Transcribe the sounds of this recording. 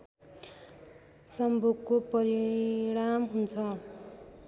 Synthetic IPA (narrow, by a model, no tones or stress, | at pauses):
sʌmbʱoɡkopʌɾiɽamɦunt͡sʰʌ